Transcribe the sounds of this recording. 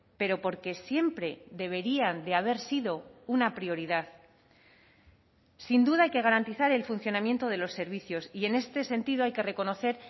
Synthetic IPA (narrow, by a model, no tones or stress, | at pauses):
pe̞ɾo̞po̞ɾke̞sje̞mpɾe̞ðe̞βe̞ɾiand̪eaβ̞e̞ɾsiðo̞unapɾio̞ɾiðaθ | sind̪uðaajke̞ɣ̞aɾant̪iθaɾe̞lfunθjo̞namje̞nt̪o̞ð̞e̞lo̞sːe̞ɾβiθjo̞sie̞ne̞st̪e̞se̞nt̪iðoajke̞re̞ko̞no̞θe̞ɾ